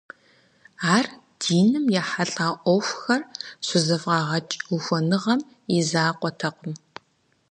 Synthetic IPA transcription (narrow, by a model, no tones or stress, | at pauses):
aːr | d̥iːnɨmjaːħaɬʼaːʔʷɔxʷxɐrsʷʊzɐfʁɑːʁɐt͡ʃʼuxʷɔnɨʁɐm | izaːqʷʼɔtʰɐqəm